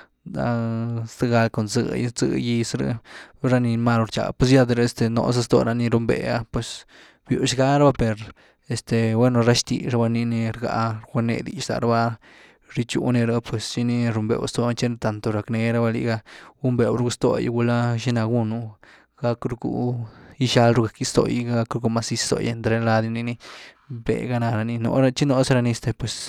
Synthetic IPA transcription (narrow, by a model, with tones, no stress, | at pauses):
d̪a˧sd̪ɨ˦ɡa˧lko˨nzɨ̰˧˦zɨ̰˧ji˧sɾḛ˧ɾa˦ni˧ma˦˧lo˧ɾt͡ʃa̰˨pwe˧sja˧d̪ɾe˧st̪e˧no̰˧s̬a˦st̪o̰˧ɾa˧ni˧ɾu˧mbḛ˨a˧pwe˧s | bju˧ʃɡa˦ɾba˦pe˨ɾ | e˧st̪e˨bwe˦no˧ɾa˦ʃt̪i˨ʃa˧ba˧ni˧ni˧ɾɡa̰˧ɾɡe˧nḛ˧d̪i˨ʃd̪a̰˨ɾa˧˦ba˦ | ɾi˧t͡ʃṵ˧ni˧ɾa˦pwe˨sʃi˧ni˧ɾu˧mbḛ˨wst̪o˧t͡ʃe˦n˧t̪a˨nt̪o˨ɾa˨kne˧ɾa˦ba˧lḭ˧ɡa˧ɡu˦mbe˨wɾu˦ɡu˧˦st̪o̰˧jɡu˧la˦ʃi˦na˧ɡu˦nu˦ | ɡ̥a˧kɾu˧ɡṵ˧˦i˦ʃa˧lɾu˧ɡa˨ki˦st̪o̰˨jɡɡa˦kɾu˧ɡu˧ma˦si˧˦st̪o̰˨jḛ˧nt̪ɾe˧˦la˧d̪i˧ni˧ni˦ | bḛ˨ɡa˧na˧ɾa˧ni˧no̰˧ɾa˦t͡ʃi˦no˧sɾa˧ni˧˨st̪e˨pwe˨s